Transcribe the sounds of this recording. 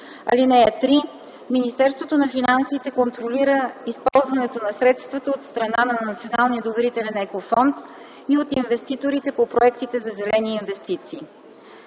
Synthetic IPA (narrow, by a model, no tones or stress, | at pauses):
ɐ̰linɛɛt̪ɾi | minist̪ɛɾst̪vot̪onɐfinansit̪ɛkont̪ɾoliɾəispɔlˠzvɐnɛt̪onɐsɾɛt̪st̪vɐt̪əot̪st̪ɾɐnanɐnɐt̪sionalˠniəd̪ovɛɾit̪ɛlɛnɛkofɔnt̪ | iot̪invɛst̪it̪oɾit̪ɛpopɾoɛkt̪it̪ɛzɐzɛlɛniːnvɛst̪it̪siː